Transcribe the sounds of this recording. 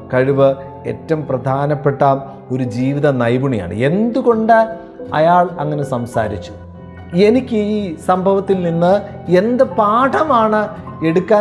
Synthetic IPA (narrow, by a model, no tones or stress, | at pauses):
kɐɻiʋɨ | e̞̰tːɐmprɐd̪ʱaːnɐpːe̞ʈːaːm | o̞ɾud͡ʑiːʋiðɐnɐjbuɳija̰ːɳɨ̰e̞nd̪uɣo̞ɳɖɨ | ɐ̰jaːɭɐŋːɐne̞sɐmsa̰ːɾit͡ɕːu̥ | e̞nikʲːɨiːsɐmbʱɐʋɐt̪ːilninːɨ | e̞nd̪ɐpaːʈʰɐmaːɳɨe̞ɽukːaː